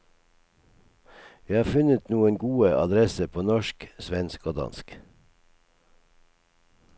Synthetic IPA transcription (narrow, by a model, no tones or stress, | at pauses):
jæɪhɑːfʉnət̪nuːənɡuːəʔɑ̰d̪ɾɛsəpʰoːnɔʃksʋɛnskoːd̪ɑ̰nsk